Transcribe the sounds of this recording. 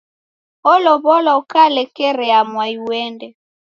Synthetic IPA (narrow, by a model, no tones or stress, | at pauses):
ɔlɔβɔlɔkalɛkɛɾɛamwaiwɛndɛ